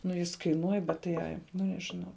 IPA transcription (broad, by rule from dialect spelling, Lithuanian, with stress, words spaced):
nʊ ˈjɪs kɐɪˈnuɔj bʲɛt tɐɪ ˈɐɪ ˈnʊ nʲɛʒʲɪˈnɐʊ